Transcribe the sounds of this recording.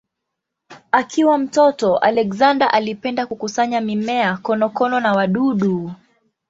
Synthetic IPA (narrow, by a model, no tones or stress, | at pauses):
akʰiwam̩tɔtɔʔa̰lɛkzandaʔalipɛndakukusaɲamimɛakɔnɔkɔnɔnawaɗuɗu